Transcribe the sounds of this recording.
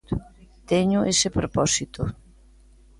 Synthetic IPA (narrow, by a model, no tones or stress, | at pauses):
t̪eɲʊʔesepɾopɔsit̪o